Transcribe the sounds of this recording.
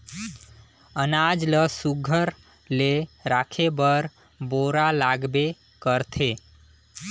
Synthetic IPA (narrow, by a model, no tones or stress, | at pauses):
ənad͡ʒləsuɡʱəɾ | leɾakʰebəɾ | boɾalaɡbe | kəɾt̪ʰe